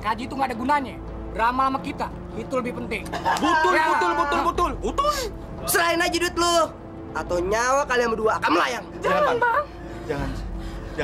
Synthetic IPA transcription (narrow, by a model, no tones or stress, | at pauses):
kad͡ʒiːt̪uŋɡadaɡunaɲa | ramaamakit̪a | it̪uləbɪhpənt̪ɪŋbət̪ʊlt̪ʊlbət̪ʊlbət̪ʊlt̪ʊ | səlaɪnad͡ʒidʊt̪̚loh | at̪awɲawakaliaŋbəduaːkanməlajaŋd͡ʒaŋanba | d͡ʒŋan